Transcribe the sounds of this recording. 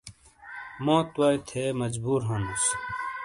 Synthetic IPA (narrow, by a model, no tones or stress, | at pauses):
mõːt̪waːit̪ʰeːmɐd͡ʑbuːɾɦɐnus